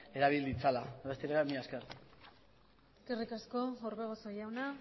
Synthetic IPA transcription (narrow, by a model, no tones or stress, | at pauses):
e̞ɾaβ̞ild̪it͡salaβe̞st̪iɾeβamiaskert̪ | eskerikasko̞oɾβeɣosojawna